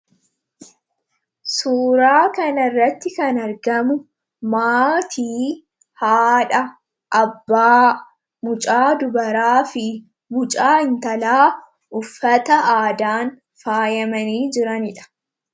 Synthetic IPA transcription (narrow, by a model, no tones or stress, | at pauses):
suːɾaːkɐnɐrːɐt̪ːɪkɐnɐɾɡɐmʊ | maːt̪ʰiː | haːᶑɐ | ʔɐbːaː | mʊt͡ʃʼaːd̪ʊbɐɾaːfɪ | mʊt͡ʃʼaːɪnt̪ɐlaː | ʔʊfːɐt̪ɐʔaːd̪aːn | faːjɐmɐniːd͡ʒɪɾɐnɪᶑɐ̥